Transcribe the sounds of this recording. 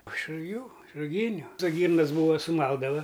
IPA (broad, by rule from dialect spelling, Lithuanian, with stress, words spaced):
ɪʃ rʊˈɡʲuː ɪʃ rʊˈɡʲiːnʲʊ toː ˈɡʲiːrnɐs ˈbuːʋɐ sʊˈmɐlˠdɐʋɐ